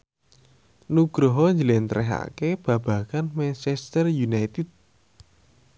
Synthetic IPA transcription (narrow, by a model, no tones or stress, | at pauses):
nuɡ̥ɾoɦɔɲd͡ʒəlent̪ɾɛɦa̰keb̥ä̤b̥a̤kanmɛnt͡ʃɛst̪ərjunajt̪it̪̚